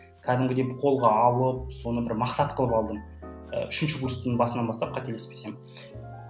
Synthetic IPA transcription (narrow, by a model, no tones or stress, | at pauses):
kʲʰæd̪ɪmɡʲɪd̪ebɪqʰo̞lˠʁɑɑwəp̚so̞nəbɪɾmɑqsɑt̪̚qʰəlˠəpɑlˠd̪əm | ə̰ʏʃɪnʃɪkust̪ənɴbɑsənɑnbɑst̪ɑp̚qʰɑt̪e̞lespe̥se̞mɪ